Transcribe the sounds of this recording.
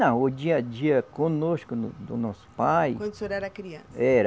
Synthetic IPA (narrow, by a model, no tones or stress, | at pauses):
ɐ̃od͡ʒiɐd͡ʒiɐkõnoskʊnd̪ʊnɔsʊ̥pajkwɐ̃nd̪soɾɛɾɐkɾiɐɛɾ